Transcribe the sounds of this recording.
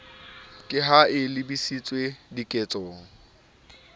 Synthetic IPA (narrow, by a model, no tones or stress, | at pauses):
kʼɪɦaɪlɪbisit͡sʼwedikʼet͡sʼoːŋ̩